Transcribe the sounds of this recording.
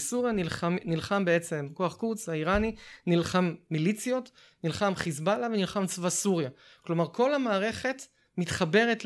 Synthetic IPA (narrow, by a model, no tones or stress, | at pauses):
suʁjanilχamnilχambe̞e̞t͡se̞mko̞aχkut͡shaiʁaninilχamːilit͡sjo̞t | nilχamχizbalavenilχamt͡svasuʁja | klo̞maʁkʰo̞lamaːʁe̞χe̞t | mitχabe̞ʁet